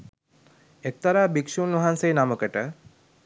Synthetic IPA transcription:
ek̚t̪aɾaːbikʃunʋaɦansejːnaməkəʈə

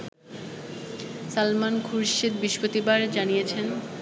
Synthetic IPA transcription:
salmankʰuɾʃid̪̚biʃpot̪ibaɾd͡ʑanijet͡ɕʰen

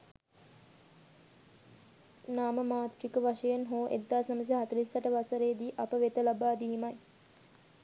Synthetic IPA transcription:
naːməmaːt̪rikəʋaʂəjenɦoːʔḛd̪ːaːsnɐməs̬eɦat̪ɾisːaʈəʋasəɾeːd̪iːʔapəʋet̪əlabaːd̪iːmaj

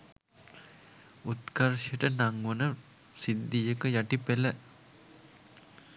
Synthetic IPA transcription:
ut̪kaɾʃijəʈənaŋʋənə | sid̪ːijəkəjaʈipelə

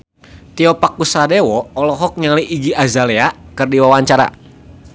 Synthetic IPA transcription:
t̪iɔpakusadewɔːlɔɦɔk̚ɲaliʔiɡiʔazaleakɨrdiwawaɲt͡ʃaɾa̰

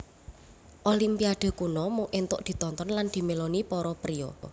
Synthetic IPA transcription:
ʔolimpiad̪̥o̤kunɔmʊŋʔent̪ʊʔd̪̥i̤t̪ɔnt̪ɔnland̪̥i̤melonipɔɾɔpɾiɔ̰

